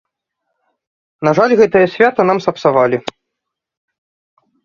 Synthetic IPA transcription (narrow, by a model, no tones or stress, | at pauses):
naʐalʲɣɛt̪ɨjɐsʲvʲat̪ɐn̪amsɐpsavalʲi